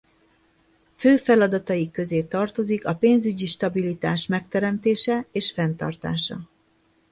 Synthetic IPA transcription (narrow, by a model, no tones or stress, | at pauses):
føːfɛlɒd̪ɒt̪ɒjikːø̞zeːt̪ɒrt̪o̞zikɒpeːnzyɟiʃt̪ɒbilit̪aːʃmɛk̚t̪ɛɾɛmt̪eːʃɛeːʃfɛnt̪ɒ̰rt̪a̰ːʃɒ̰